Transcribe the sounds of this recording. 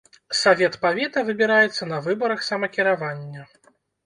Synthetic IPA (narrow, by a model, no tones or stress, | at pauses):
savʲɛt̪pavʲɛt̪ɐvɨbʲiɾajɛt̪sːɐnɐvɨbɐɾɐxsɐmɐkʲiɾavanʲːɐ